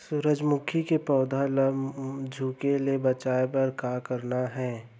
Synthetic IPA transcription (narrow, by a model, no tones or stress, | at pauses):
sʊɾəd͡ʒmʊkʰikepɔːd̪ʱaləd͡ʒʱuːkelebɐt͡ʃaːepɐɾkaːkəɾnaɦɛ̃ː